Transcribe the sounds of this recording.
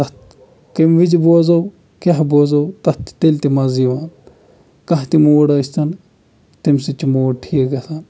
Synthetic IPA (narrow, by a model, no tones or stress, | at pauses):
t̪ɐt̪ | kɐmʋid͡ʒboːzɐw | kʲɐɦboːzɐwt̪ɐt̪t̪elʲt̪imɐziʋaːn | kɐɦt̪imoːɽɐsʲt̪ɐn | t̪imsit͡ʃimoːɽʈʰiɡɐsaːn